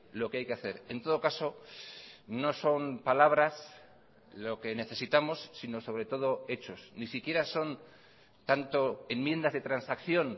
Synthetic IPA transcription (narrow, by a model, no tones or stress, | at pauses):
lo̞keajkeaθe̞ɾe̞nt̪o̞ð̞o̞kaso̞ | no̞so̞mpalaβ̞ɾas | lo̞ke̞ne̞θe̞sit̪amo̞sːino̞so̞βɾe̞t̪o̞ð̞o̞e̞t͡ʃo̞snisikje̞ɾaso̞n | t̪ant̪o̞e̞mmje̞nd̪azðe̞t̪ɾansakθjo̞n